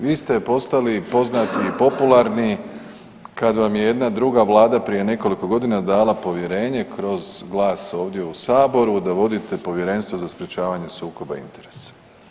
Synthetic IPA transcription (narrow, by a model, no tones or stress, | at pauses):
ʋiːst̪e̞po̞st̪alipo̞znat̪iːpo̞pulˠaɾni | kad̪ʋamjeje̞d̪nad̪ɾuɡaʋlˠaːd̪apɾije̞ne̞ko̞liko̞ɡo̞d̪inad̪aːlˠapo̞ʋje̞ɾe̞ːɲe̞kɾo̞zɡlˠaːso̞ːʋd̪je̞usaːbo̞ɾud̪aʋo̞d̪it̪e̞po̞ʋje̞ɾe̞nst̪ʋo̞zaspɾet͡ɕaːʋaɲe̞suːko̞baḭnt̪e̞ɾe̥sḁ